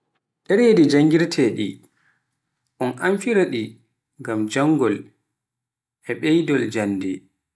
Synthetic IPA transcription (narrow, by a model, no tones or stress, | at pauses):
ɗɛɾedid͡ʒaŋɡiɾtʰɛɗi | ʔɔnʔaɱfiɾaɗi | ŋɡamd͡ʒaŋɡɔl | ʔɛɓɛjdɔld͡ʒanːdɛ